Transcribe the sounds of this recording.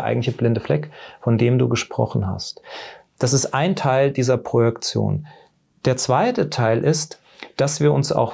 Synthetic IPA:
ʔa̰ɪɡŋ̩tlɪçəblɪndəflɛkfɔndeːmdṵːɡəʃpʁ̥ɔ̰χn̩ɦa̰st | d̥asɪstʔaɪntʰaɪldiːzɐpʁ̥ojɛkt͡sjo̰ːn | d̥eːɐt͡sv̥aɪtətʰaɪlʔɪst | d̥asv̥iːɐʊnsa̰ʊx

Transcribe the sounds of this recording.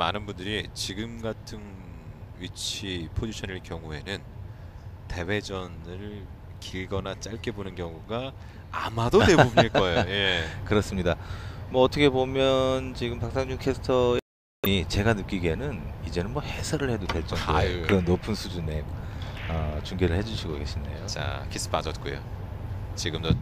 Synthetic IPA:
manɯnbundɯɾit͡ɕiɡɯmɡatʰɯn | ɥit͡ɕʰipʰod͡ʑiɕʰʌniɭkjʌŋue̞nɯn | te̞we̞d͡ʑʌnɯɭ | kiɭɡʌnat͡ɕ͈aɭk͈e̞bonɯnkjʌŋuɡa | a̰madodebomiɭk͈ʌejoje̞kɯɾʌs͈ɯmɲidamʌːtʰʌkʰe̞bomjʌnt͡ɕiɡɯmpak̚s͈aŋd͡ʑuŋkʰesʰɯ̥tʰʌ | it͡ɕe̞ɡanɯk͈iɡe̞nɯnid͡ʑe̞nɯnmwʌhe̞sʰʌɾɯɭhe̞dodwe̞ɭt͡ɕ͈ʌŋdokɯɾʌnːopʰɯnsʰud͡ʑune | ʌt͡ɕuŋɡeɾɯɭhe̞d͡ʑuɕʰiɡoɡe̞ɕʰindḛjot͡ɕa̰kʰis͈ʰɯ̥p͈ad͡ʑʌt̚k͈ujo̰ | t͡ɕiɡɯmdo

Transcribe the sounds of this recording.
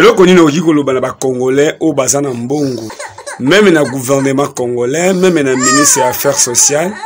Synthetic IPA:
elɔkɔninokokikolobanabakoŋɡolɛʔojobazanamboŋɡo | mɛmɛnaɡuvɛʁnemãkoŋɡolɛmɛmɛnaministʁəjaafɛʁsosjal

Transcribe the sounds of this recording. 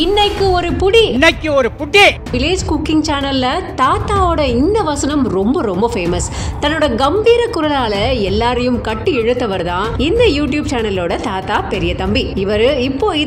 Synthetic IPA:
ɪnːɐɪkːɯɔɾɯpʊɽiɪnːɐɪkːɯɔɾɯpʊʈːe | ʋɪleːd͡ʒkʊkːɪŋt͡ʃaːnɐlːɐt̪aːt̪aːoːɽɐɪnd̪ɐʋɐsɐnɐmɾɔmbɐɾɔmbɐfeːmɐst̪ɐnːoːɽɐɡɐmbiːɾɐkːʊɾɐlaːlɐɛlːaːɾɐjɯmkɐʈːɯɛɻɯt̪ːɐʋɐɾt̪ãːɪnd̪ɐjuːʈ̬juːb̚t͡ʃaːnɐloːɽɐt̪aːt̪aːpɛɾɪjɐt̪ɐmbiɪʋɐɾɯɪpːoːɪ

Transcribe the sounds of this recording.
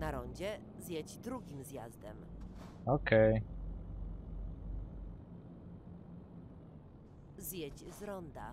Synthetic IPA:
naɾɔɲd͡ʑɛ | zʲjɛd͡ʑd̪ɾuɡʲimzjazd̪ɛ̰mɔkɛj | zjɛd͡ʑzɾɔnd̪a̰

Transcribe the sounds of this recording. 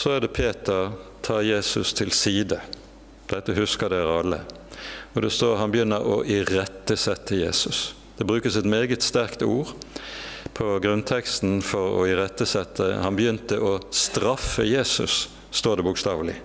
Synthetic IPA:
sɔæʁd̪ɛpʰeːt̪əʁt̪ʰɑːʁjeːsʉst̪ʰɪlsiːd̪ə | d̪̥ɛt̪ːəhʉskəd̪ɛʁɑlːə̰ | ɔd̪ɛst̪oːʁɦɑnbəjʏnːəɾɔ̰ʔɪʁɛt̪ːəsɛt̪ʰːəjḛːsʉs | d̪̥ɛbʁʉːkəsɛt̪meːɡət̪st̪æʁkt̪uːʁ | pʰɔɡɾʉnt̪ʰɛkst̪n̩fɔʁɔ̰ɪʁɛt̪ːəsɛt̪ʰːə̰hɑnbəjʏnt̪əʔɔst̪ɾɑfːəjeːsʉ̰sː | t̪oːd̪ɛbʊkst̪ɑːʋlɪ

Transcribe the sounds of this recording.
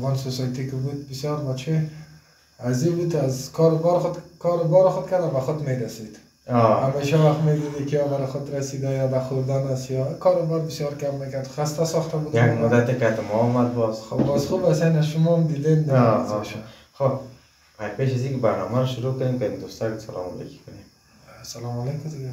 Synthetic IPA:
ʁɔnsosɔjat̪ʰikɪbud̪̚bisjɔɾbat͡ʃʰi | azibud̪azkʰɔɾbɔɾkʰɔɾbɔɾɪχʊd̪̚kʰad̪abaχʊd̪meɾasid̪̥ | ɔhameʃawaχmed̪id̪ikʰiɔbaɾɪχʊd̪ɾasid̪ajad̪aχʊɾd̪anasjɔkʰɔɾobɔɾbisjɔɾkʰamːekaɾd̪χast̪asɔχt̪ʰabud̪jakmʊd̪ːat̪ekat̪ɪmɔɔmad̪̚bɔzχobɔzχubasenaʃʊmɔmd̪id̪end̪azʃa | χob | ajpeʃazikɪbaɾnɔmaɾɔʃʊɾukʊd̪emkad̪ed̪ost̪abut̪salɔ̰mɔ̰lḛki̥kʊnem | salɔmɔlekʊziɡa

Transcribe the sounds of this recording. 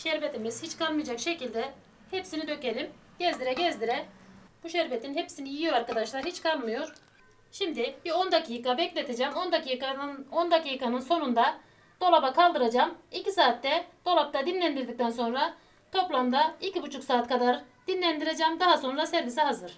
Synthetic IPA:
ʃɛɾvet̪ʰimiz̥hit͡ʃkʰalˠmɯjad͡ʒakʃecilʲd̪ɛ | hepsinid̪ø̞ce̞lʲim | ɟ̥ɛzd̪iɾɛɟɛzd̪iɾɛb̥uʃɛɾvet̪ʰinhepsinijijo̞ɾaɾkad̪aʃlˠaɾhit͡ʃkʰalˠmɯjo̞ɾ | ʃimd̪ib̥io̞nd̪akʰiːkabɛclʲet̪ʰed͡ʒɛmond̪akʰjkaond̪akikanɯnso̞nund̪a | d̪̥o̞lˠabakʰalˠd̪ɯɾad͡ʒamicisaːt̪ːɛd̪̥o̞lˠap̚t̪ʰad̪inlʲænd̪iɾd̪ic̚t̪ʰænso̞nɾa | t̪ʰo̞plˠamd̪aicibut͡ʃʰuksaːt̪kʰad̪aɾ | d̪̥inlʲænd̪iɾed͡ʒɛmd̪aɦaso̞nɾasɛɾvisiɦazɯɾ̥

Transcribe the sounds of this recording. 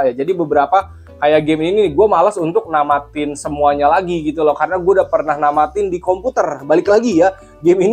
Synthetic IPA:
jad͡ʒadibəbəɾapa | kajaɡɛmininɪɡuamalasunt̪ʊk̚namat̪ɪnsəmuaɲalaɡiɡit̪ulɔhkaɾənaɡuadapərnahnamat̪ɪndikomput̪ərbalɪklaɡija | ɡɛmin

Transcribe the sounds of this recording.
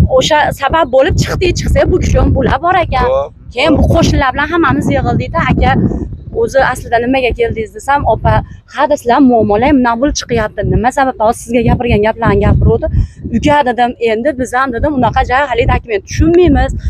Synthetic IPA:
oʃasabap̚bolɪp̚t͡ʃʰɨ̥χt̪ɪt͡ʃʰɨ̥χsabʊkʲʰɪ̥ʃombola̰bɒɾakʲan | kʲʰejɪnbʊqʰoʃɪnlaɾbɪlanɦamːamɪzjeʁɨlˠd̪ɪjd̪ɪakʲaɾɵzɪaslɪd̪anɪmaɡʲakʲʰe̞ld̪ɪɪzd̪esamɒpahad̪ɪsɪzammʊamːɒlajmnabʊlˠt͡ʃʰɨ̥qɨjap̚t̪ɪnɪmasabap̚ɒz̥sɪzɡʲaɡʲapɪɾɡʲanɡʲaplaɾɪmɡʲapʰɪɾod̪ɪʊkʲad̪ɪd̪ɪme̞nd̪ɪbɪzamd̪ɪd̪ɪmʊnɑqʰɑd͡ʒaɾhalɪd̪akʲʊment̪ʰʊ̥ʃʊnmijmɪz̥

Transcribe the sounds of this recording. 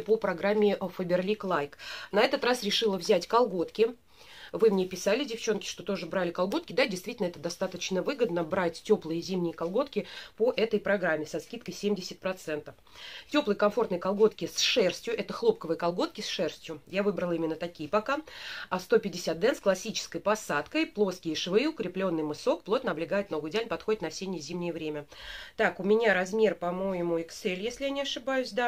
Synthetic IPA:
popɾɐɡɾamʲːɪʔfəbʲɪrlʲiklˠajknɐɛt̪ət̪rasɾʲɪʂɨlˠəvzʲætʲkɐlˠɡo̞t̪kʲɪ | vɨmnʲepʲɪsalʲɪdʲɪft͡ɕo̞nkʲɪ̥ʂt̪o̞t̪o̞ʐɨbɾalʲɪkalˠɡo̞t̪̚kʲɪd̪adʲɪjst̪vʲitʲɪlʲnəɛt̪əd̪ɐst̪at̪ət͡ɕnəvɨɡəd̪nəbɾatʲtʲoplˠɨjəzʲimnʲɪjəkɐlˠɡo̞t̪kʲɪpoʔɛt̪əjpɾɐɡɾamʲːɪsɐskʲit̪kəjsʲemʲdʲɪsʲɪt̪̚pɾɐt̪sɛnt̪əf | tʲo̞plˠəjəkɐmfo̞rt̪nəjkɐlˠɡo̞t̪kʲɪsʂɛrsʲtʲjʊʔɛt̪əxlˠo̞p̚kəvɨjəkɐlˠɡo̞t̪̚kʲɪsʂɛrsʲtʲjʊjavɨbɾəlˠimʲɪnːət̪ɐkʲijəpɐkaɐst̪o̞pʲɪdʲɪsʲat̪̚d̪ɛnsklˠɐsʲːit͡ɕɪ̥skəjpɐsat̪kəjplˠo̞skʲɪjəʂɨvɨʊkɾʲɪplʲo̞nːɨjmɨso̞k̚plˠo̞t̪nəɐblʲɪɡajɪt̪noɡʊjdʲalʲnpɐt̪xodɪt̪nɐfsʲenʲɪjəzʲimnʲɪjəvɾʲemʲət̪akʊmʲɪnʲaɾɐzmʲe̞rpɐmo̞jɪmʊɪksɛlʲjesʲlʲɪjanʲɪɐʂɨbajʊsʲd̪a

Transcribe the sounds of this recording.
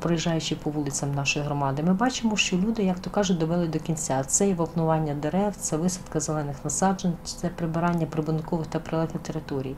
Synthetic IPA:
pɾɔjiʒːɑjʊt͡ʃɪpɔʋulˠɪt͡sʲɐmnɑʃɔjiɦɾɔmɑd̪ɪmɪbɑt͡ʃɪmɔʃt͡ʃɔlʲud̪ɪjɐkt̪ɔkɑʒʊt̚ʲd̪ɔʋɛlˠɪd̪ɔkʲinʲt͡sʲat̪sɛjɛʋɐwnʊʋɑnʲːɐd̪eɾɛwt̪sɛʋɪsɐt̪kɐzelˠɛnɪxnɐsɑd͡ʒenʲt͡ʃɪ̥t̪sɛpɾɪbɪɾɑnʲːɐpɾɪbʊnkɔʋɪxt̪ɐpɾelˠɛxɪt̪eɾɪt̪ɔɾʲij

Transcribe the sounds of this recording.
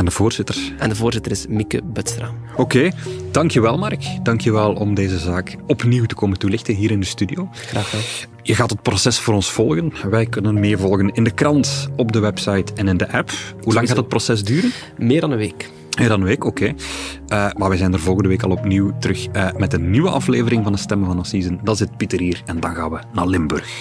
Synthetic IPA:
ɛndəvoːrz̥ɪtərsɛndəvoːrzɪtəɾɪsmikə̰bœtstɾa | okeːd̥ɑŋkjəʋɛlˠmɑrkd̥ɑŋkjəʋɛlˠɔmdeːzəzaːkɔpniwtə̥koːməntulɪxtənɦiːɾɪndəstydioː | xraːx | jəɣaːtət̚prosɛsfoːɾɔnsfɔlˠɣənʋɛjkɵnənmeːrvɔlˠɣənɪndəkrɑntɔbdəwɛpsɑjtɛnɪndəʔɛpɦulɑŋɣaːtət̚prosɛzdyːɾən | mɪːrdɑnənʋeːk | mɪːrdɑnənʋeːkokeːəmaːʋɛjzɛjnərvɔlˠɣəndəʋeːkɑlˠɔpniwtəɾɵxəmɛtənːiwəʔɑfleːvəɾɪŋvɑnətstɛmənvɑnɑsizəndɑtzɪt̚pitərɦiːrɛndɑnɣaːnʋənaːrlɪmbɵ̰rx

